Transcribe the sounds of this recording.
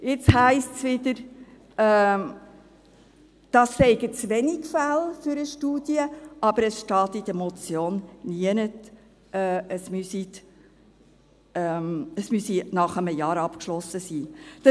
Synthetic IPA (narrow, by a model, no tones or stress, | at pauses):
ɪt͡shæɪstsʋɪd̪əɾ | ɛː | d̥ɑst͡sɛɪɡət͡sʋɛnikfælfʏɾəʃtuːd̥iəʔɑb̥əɾəsʃtɑːt̪id̪əmɔt͡sjoːnniənət | ɛəsmysit | ɛməsmysinɑχəməjɑːɾɑpkʃlɔsːəsiːd̥ə